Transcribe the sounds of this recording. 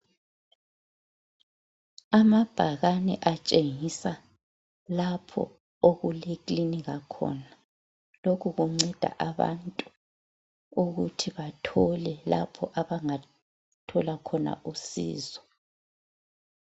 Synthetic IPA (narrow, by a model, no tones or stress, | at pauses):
amab̥ʱaɣanɛ̰ʔat͡ʃʼeŋisa | lapʰɔ̰ | oɣulekliniɣakʰɔ̰na | lokʰuɣuŋ͡ǀɛd̥ʱa̰ʔaβa̰ntʼu̥ | uɣutʰiβatʰɔlɛla̰pʰɔʔaβaŋa | tʰɔlakʰɔna̰ʔusḭːzɔ